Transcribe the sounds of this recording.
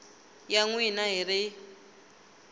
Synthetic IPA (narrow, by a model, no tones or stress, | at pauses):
jaŋwinaɦiɾɪ